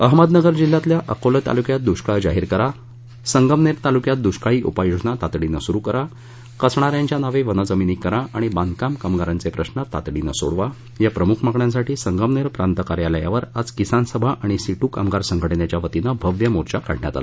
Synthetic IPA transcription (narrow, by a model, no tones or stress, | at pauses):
əɦməd̪nəɡəɾd͡ʑil̤ːat̪ljaʔəkolət̪a̰lukjat̪̚d̪uɕkad͡zaɦiːɾkəɾa | səŋɡəmneɾt̪alukjat̪̚d̪uɕkaɭiːʔupajod͡zɳat̪at̪ɽinəsuɾuːkəɾa | kəsɳ̃aɾjãɲt͡ɕjanaʋeʋənəd͡zəminikːəɾaʔaɽ̃ibãnd̪kamkamɡaɾant͡sepɾəɕnət̪a̰t̪ɽina̰so̰ɽʋa | japɾəmukʰmakɳjãsaʈiːsəŋɡəmneɾpɾant̪əkaɾjalajaʋəɾad͡zkisansəbʱaʔaɽ̃isiʈuːkamɡaɾsəŋɡʱəɽɳjat͡ɕjaʋət̪inabʱəʋjəmoɾt͡ɕakaɽ̤ɳja̰t̪a̰la